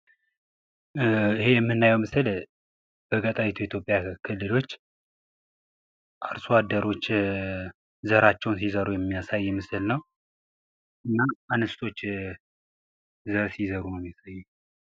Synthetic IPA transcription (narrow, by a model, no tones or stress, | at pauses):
ihe̞jɛmːɨnːajɛwmɨsɨl | b̥əɡət̪ʼaβit̪ʰujɛit̪ʰjo̞pʼjakʰɨlːɨlo̞t͡ʃː | ʔaɾsuad̪əɾo̞t͡ʃː | zəɾat͡ʃːɛwnsizəɾujɛmːijasajːɛmɨsɨlnəw | ʔɨnːaʔanɨst̪ʰo̞t͡ʃː | zəɾsizəɾunəmːiasajːu